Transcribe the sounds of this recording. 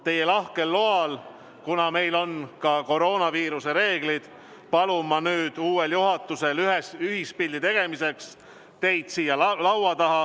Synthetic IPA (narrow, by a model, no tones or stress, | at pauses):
t̪e̞je̞lɑhke̞lːoɑl | kunɑme̞jlo̞nkɑko̞ɾo̞ːnɑviːɾuse̞ɾe̞ːɡ̥lid̪̥ | pɑlumɑnyːd̪̥uːweljuɦɑt̪ːˑuse̞lyɦesyhispilʲːit̪e̞ɡ̥e̞mise̞ks | t̪e̞jd̪̥siːjɑlɑwwɑt̪ɑɦɑ